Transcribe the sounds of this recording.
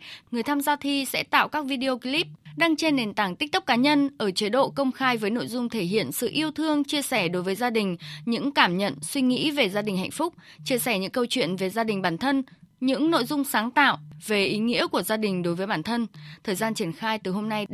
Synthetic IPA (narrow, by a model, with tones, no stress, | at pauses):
ŋɨ˨˩əjt̪ʰaː˧mzaː˧wt̪ʰi˧sɛ̰˧˥t̪a̰ː˧˨wkaː˦˥k̚vi˧ɗi˧o˧ki˧li˦˥p̚ɗaː˧ŋt͡ɕe˧nːe˨˩nt̪aː˧˩ŋt̪i˦˥k̟̚t̪ɨ˦˥k͡p̚kaː˨˦ɲə˧nʔəː˧˩t͡ɕi˨˦ɗo̰˧˨kə˧wŋ͡mxaː˧jvəː˨˦jno̰˧˨jzʊ˧ŋ͡mt̪ʰe˧˩ɦḭ˧˨ənsɨ̰˧˨ʔi˧əwt̪ʰɨ˧əŋt͡ɕi˧əsɛ˧˩ɗo˨˦jvəː˨˦jzaː˧ɗï˨˩ŋ̟ɲɨ̰˧˥ŋkaː˧˩mɲə̰˧˨nswi˧ŋḭ˧˥ve˨˩zaː˧ɗï˨˩ŋ̟ɦa̰˧˨jŋ̟fʊ˦˥k͡p̚ | t͡ɕi˧əsɛ˧˩ɲɨ̰˧˥ŋkə˧wt͡ɕwḭ˧˨ənve˨˩zaː˧ɗï˨˩ŋ̟ɓaː˧˩nt̪ʰə˧nɲɨ̰˧˥ŋno̰˧˨jzʊ˧ŋ͡msaː˨˦ŋt̪a̰ː˧˨wve˨˩ʔi˨˦ŋḭ˧˥əku˧˩əzaː˧ɗï˨˩ŋ̟ɗo˨˦jvəː˨˦jɓaː˧˩nt̪ʰə˧nt̪ʰəː˨˩jzaː˧nt͡ɕi˧˩ənxaː˧jt̪ɨ˨˩ɦo˧mna˧j